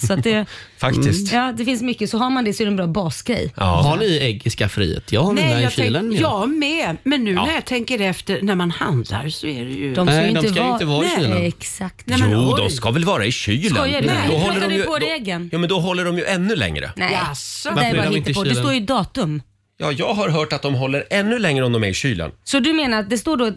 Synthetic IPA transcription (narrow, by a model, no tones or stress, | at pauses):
sat̪d̪ɛfak̪ɪsst̪jɑːd̪ɛfɪnsmʏkːəsɔɦaɾmand̪ɛsɔɾɛnbɾɑːbɑːsɡɾɛ̰jɑ̰hanɪɛɡɪskafɾḭːhḛːt̪ʰjɑhanɛɛjɑːɛlənjɑmɛmɛnːʉ̟ːnæɾjɑt̪ʰɛŋkəɾɛft̪əɾnæɾmanhand̪la̰ɾsɔæɖɛjɵd̪ɔmskajɪd̪ɔskaɪːəvɑːɾiːləɛksakt̪nɛmuːd̪ɔskavɛlvɑːɾaɪɕyːlədɔɦɔlːədɔjvoːɛɡənjuːmɛnd̪ɔɦɔlːəɖɔmjɵʔɛnːɵlɛ̰ŋɾə̰nɛasɔvaɾɪɪnt̪d̪ɛst̪oːɾjd̪ɑːt̪ɵm | jɑːjɑːɡɦaɾɦœːʈat̪̚d̪ɔmɦɔlːəɾɛnːɵlɛŋɾəɔmd̪ɔmæɾɪɕyːlə̰nsɔd̪ɵmeːnaɾat̪̚d̪ɛst̪oːɖɔ